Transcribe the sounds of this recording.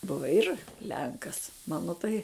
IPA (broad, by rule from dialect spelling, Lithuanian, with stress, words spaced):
ˈbʊʋɐ ˈɪr ˈlʲɛŋkɐs ˈmɑːnoː tɐɪ